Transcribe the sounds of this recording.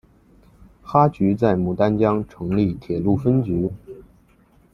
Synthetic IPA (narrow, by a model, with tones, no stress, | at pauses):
xa˥t͡ɕy˧˥t͡sa˥˩ɪmu˨˩t̪a˥nt͡ɕjɑ˥ŋʈ͡ʂʰɤ˧˥ŋli˥˩t̪ʰjɛ˨˩lu˥˩fə˥nt͡ɕy˧˥